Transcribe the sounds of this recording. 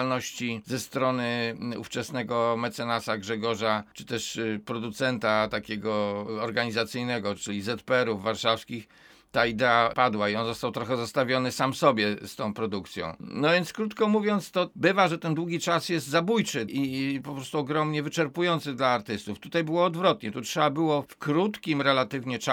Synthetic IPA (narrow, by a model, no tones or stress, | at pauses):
lnɔɕt͡ɕizɛst̪ɾɔnɘṵft͡ʂɛsnɛɡɔmɛt̪sɛnasaɡʐɛɡɔʐat͡ʂɘ̥t̪ɛʂpɾɔd̪ut̪sɛnt̪at̪akʲɛɡɔɔɾɡaɲizat̪sɘjnɛɡɔt͡ʂɘlʲizɛt̪pɛɛɾuvːaɾʂafskʲix | t̪aid̪ɛapad̪waiɔnzɔst̪awt̪ɾɔxɛzɔst̪avʲjɔnɘsamsɔbʲjɛst̪ɔ̃w̃pɾɔd̪ukt̪sʲjɔ̰̃w̃nɔvʲjɛnt̪skɾut̪kɔmuvʲjɔnt̪st̪ɔbɘvaʐɛt̪ɛnd̪wuɡʲit͡ʂasjɛst̪zabujt͡ʂɘʔipɔpɾɔst̪uɔɡɾɔmɲɛvɘt͡ʂɛɾpujɔnt̪sɘd̪laːɾt̪ɘst̪uft̪ut̪ajbɘwɔːd̪vɾɔt̪ɲɛt̪utʂɛbabɘwɔfkɾut̪kʲimɾɛlat̪ɘvɲɛt͡ʂa